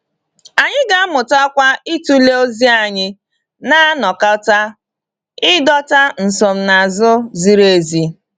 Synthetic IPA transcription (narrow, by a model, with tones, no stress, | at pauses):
a˨ɲɪ˦ɡa˦mʊ˨ta˦kʷa˦i˦tu˦le˦o˦zi˦a˨ɲɪ˦ | na˦nɔ˨ka˦ta˦ | ɪ˦dɔ˦ta˦n̩˨sɔ˨m̩˨na˨a˨zʊ˦zi˦ɾe˨˦˨zi˦